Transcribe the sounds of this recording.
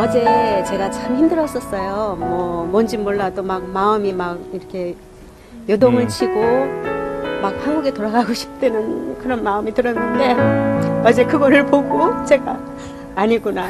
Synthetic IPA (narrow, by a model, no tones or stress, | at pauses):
ʌd͡ʑe̞t͡ɕe̞ɡat͡ɕamçimdɯɾʌs͈ʌs͈ʌjomwʌmʌnd͡ʑimoɭːadomak̚maɯmimak̚iɾʌkʰe̞ | jodoŋɯɭt͡ɕʰiɡo | mak̚haŋɡuɡe̞toɾaɡaɡoɕʰi̥p̚t͈e̞nɯnkɯɾʌnmaɯmitɯɾʌnːɯnde̞ | ʌd͡ʑe̞kɯɡʌɾɯɭpoɡot͡ɕe̞ɡaː | ɲiɡuna